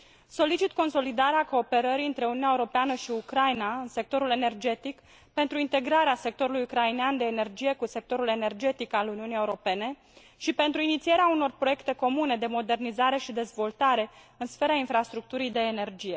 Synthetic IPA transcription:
so̞lit͡ʃit̪ko̞nso̞lid̪aɾeako̞ːpe̞ɾəɾiɨnt̪ɾe̞ununeaeuɾo̞peanəʃiukɾajnaɨnse̞k̚t̪o̞ɾule̞ne̞rd͡ʒe̞t̪ik | pe̞nt̪ɾuint̪e̞ɡɾaɾease̞k̚t̪o̞ɾulujukɾaineand̪e̞ːne̞rd͡ʒije̞kuse̞k̚t̪o̞ɾule̞ne̞rd͡ʒe̞t̪ikaluniunije̞uɾo̞pe̞ne̞ | ʃipe̞nt̪ɾuinit̪sije̞ɾeauno̞rpɾo̞jekt̪e̞ko̞mune̞d̪e̞mo̞d̪e̞rnizaɾe̞ʃid̪e̞zvo̞lt̪aɾe̞ | ɨnsfe̞ɾainfɾast̪ɾuk̚t̪uɾijd̪e̞ːne̞rd͡ʒije̞

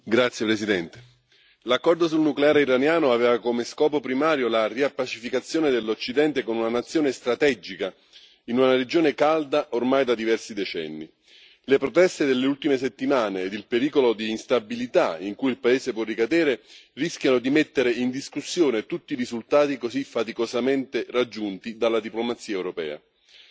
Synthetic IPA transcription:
ɡɾat̪sːjepɾesid̪ɛnt̪e̥ | lakːɔrd̪osulnukleaːɾeiɾanjaːnoaveːvakomeskɔːpopɾimaːɾjolariapːat͡ʃifikat̪sːjoːned̪elːot͡ʃːid̪ɛnt̪ekonunanat̪sːjoːnest̪ɾat̪ɛd͡ʒika | inunaɾed͡ʒoːnekald̪aʔormajd̪ad̪ivɛrsid̪et͡ʃɛ̰nːḭ | lepɾot̪ɛst̪ed̪elːeult̪imes̬et̪ːimaːneːd̪ilpeɾiːkolod̪iːnst̪abilit̪aiŋkujilpaeːzepwɔrːikad̪eːɾerisk̟janod̪imet̪ːeɾeind̪iskusːjoːnet̪ut̪ːiɾizult̪aːt̪ikozifat̪ikozament̪erad͡ʒːunt̪id̪alːad̪iplomat̪sːiːaɛwɾopɛ̰ːa̰

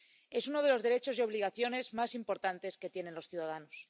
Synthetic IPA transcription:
e̞suno̞ð̞e̞lo̞zðe̞ɾe̞t͡ʃo̞zeo̞βliɣ̞aθjo̞ne̞zmasimpo̞ɾt̪ant̪e̞ske̞t̪je̞ne̞nlo̞sθjuðaðanos

